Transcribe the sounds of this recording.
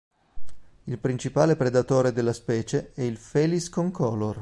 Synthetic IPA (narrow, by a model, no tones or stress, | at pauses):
ilpɾint͡ʃipaːlepɾed̪at̪oːɾed̪elːaspɛːt͡ʃeɛilfɛːliskoŋkʰɔlːor